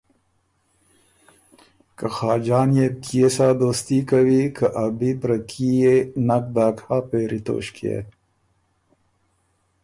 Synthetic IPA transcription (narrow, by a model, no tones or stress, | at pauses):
kɐxaːd͡ʒaːnjekiesaːd̪oːst̪ikɐwikʰɐʔɐbipɾɐkʰijenɐk̚d̪aːkaːpeːɾit̪o̰ːɕkiḛː